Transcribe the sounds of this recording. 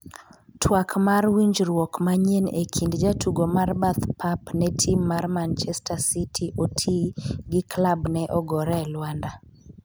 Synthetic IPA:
tʰwakmarwiɲd͡ʒɾwɔkmaɲenekʰindd͡ʒatʰuɡomarbat̪pʰapnɛtʰimːarmant͡ʃɛstasitʰiʔotʰiɡɪklabnɛʔɔɡɔɾɛlwanda

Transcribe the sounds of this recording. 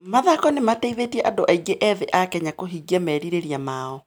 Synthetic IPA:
maðakɔnemateiðetiɛʔadoʔaiɡeʔɛðɛʔakɛɲakoɦiːɡiɛmɛːɾiɾeɾiamaɔ

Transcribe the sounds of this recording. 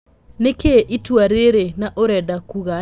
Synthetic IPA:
nekeʔitwaɾeɾenaʔoɾɛdakuɣa

